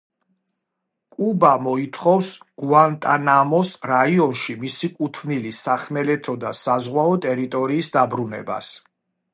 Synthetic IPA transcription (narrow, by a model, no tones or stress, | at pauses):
kʼubamɔit̪ʰχɔfsɡ̥uant̪ʼanamɔsɾaiɔnʃimisikʼut̪ʰvnilisaχmɛlɛt̪ʰɔd̪asazʁwaɔt̪ʼɛɾit̪ʼɔɾiːsd̪abɾunɛ̰ba̰s